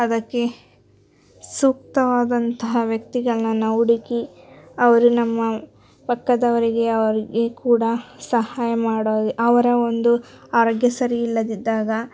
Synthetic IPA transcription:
ɐd̪ɐkːe̞ | suːk̚t̪ɐʋaːd̪ɐnt̪ɐɦɐʋjɐk̚t̪iɡɐɭɐnɐnɐuɽikiɐʋɐɾunɐmːɐ | pɐkːɐd̪ɐʋɐɾiɡe̞ɐʋɐɾiɡe̞kuːɽɐsɐhaːjɐmaːɽoːd̪iʔɐʋɐɾɐo̞nd̪u | aːɾoːɡjɐsɐɾiːlːɐd̪id̪ːaːɡɐ

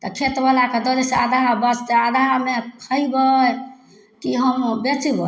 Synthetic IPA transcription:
t̪ɔkʰet̪balaked̪əɾesead̪ʱaɾbəst̪ead̪ʱaɾmekʰəibə | kiɦəmbet͡ʃibə

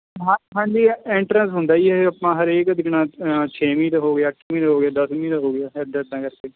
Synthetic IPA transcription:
ɦãːɦãːɲd͡ʒiːɛːɳʈɾənsɦʊnd̪aːiːɛəpãːɦəɾeːkd̪ɪknãːt͡ʃʰeːmĩːt̪əɦoːɡɪjaːəʈʰːmĩːt̪ːɦoːɡɪjaːd̪əsmĩːt̪əɦoːɡejaːɛd̪eːd̪ãːkəɾkeː

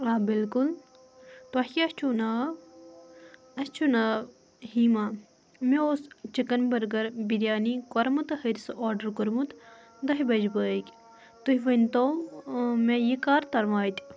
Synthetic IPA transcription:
aːbilkul | t̪ɐɦʲɐst͡ʃʰuna | ɐst͡ʃʰunɐ | hiːma | meoːst͡ʃikɐnbɐɾɡɐɾbiɾʲjaːnikɔɾmut̪ɨhəɾʲisoːɾɖɐɾkuɾmut̪ | d̪ɐɦibɐd͡ʒbəːkʲ | t̪uhiʋɐnʲt̪oː | mejikaːɾt̪ɐɾmaːt̪ʲ

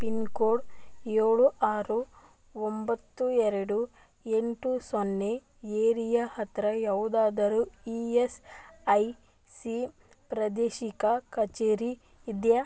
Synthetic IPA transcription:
pinkoːɽeːɭuʔaːɾu | ombɐt̪ːuɛɾɐɽu | eɳʈusonːe | eːɾijɐhɐt̪ɾɐjaʋd̪aːd̪ɐɾuiesɐj | si | pɾɐd̪eːʃikɐkɐt͡ʃeːɾiː | d̪jɐ

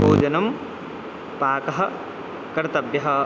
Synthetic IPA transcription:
buːd͡ʒɐnɐm | paːkɐɦɐ̆ | kɐɾt̪ɐbjɐɦɐ

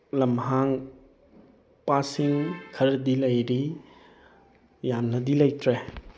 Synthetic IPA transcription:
lɐmɦaŋ | pasiŋkʰɐɾdilɐjɾi | jamnɐdilɐjtɾe

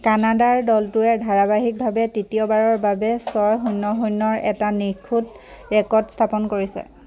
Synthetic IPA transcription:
kanadaɹdɔltuɛdʱaɹabaɦik̚bʱabɛtitiɔbaɹɔɹbabɛsɔjɦunːɔɦujnːɔɹɛtanikʰːut | ɹɛkɔɹdstʰapɔnkoɹisɛ̰

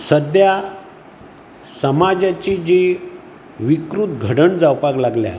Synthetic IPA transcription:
səd̪ja | səmad͡ʑat͡ɕid͡ʑe | ʋikɾut̪̚ɡʱəɽəɳd͡zawpaklaɡlja̰

